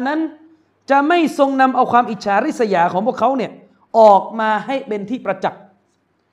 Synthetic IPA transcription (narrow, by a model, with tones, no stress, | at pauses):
nːa˦˥n | t͡ɕa˨˩ma˥˩jso˧ŋna˧mʔa˧wkʰwaː˧mʔiː˨˩t̪̚t͡ɕʰaː˦ɾi˦˥˩sa˧jaː˩kʰɔː˩˦ŋpu˥˩əkʰa˦˥wni˥˩ɐ | ʔɔː˨˩k̚maː˧ha˥˩jpe˧nt̪ʰiː˥˩pɾa˧t͡ɕa˨˩k̚